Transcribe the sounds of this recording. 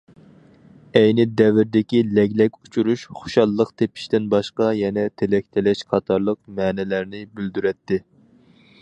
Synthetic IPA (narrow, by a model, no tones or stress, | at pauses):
ɛjnɪd̪ɛvɪɾd̪ɪkʲilɛɡʲlɛkʲu̥t͡ʃʰuɾuʃχo̥ʃɑlˠːəqt̪ʰepʰi̥ʃt̪ɪnbɑʃqɑjɛnɛt̪ʰelɛk̚ʲt̪ʰɪlɛʃqʰɑt̪ʰɑɾlˠəq̚mɛːnɛlæɾnɪbyld̪yɾɛt̪ːɪ